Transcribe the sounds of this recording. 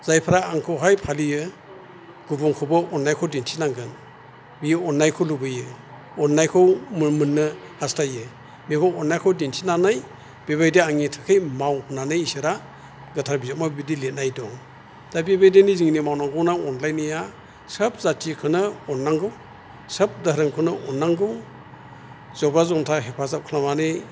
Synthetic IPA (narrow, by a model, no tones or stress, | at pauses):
z̥ajpʰaɾaːŋkʰɯwɦajpʰalijɯ | ɡ̥ubɔŋkʰɔbɯʔɔnːajkʰɔwdintʰinaŋɡɯn | miɔnːajkʰɔlubɯjɯ | ɔnːajkʰɔwmmɯnːɯ | hastʰajɯ | mikʰɔɔnːajkʰɔwdintʰi̥nanaj | b̥eβajdeaŋitʰɯ̥kʰɯjmawhunanɯjisɯɾa | ɡɯtʰaɾbizat̚mabidilet̚najdɔŋ | d̥abibajdeniziŋnimawnaŋɡɯwnaŋɔnlajnija | səp̚zatʰikʰɯnɯɔnːaŋɡɯw | səp̚daɦɾɯŋkʰɯnɯʔɔnːaŋɡɯw | zɔbazɔmtʰaɦepʰazap̚kʰlamane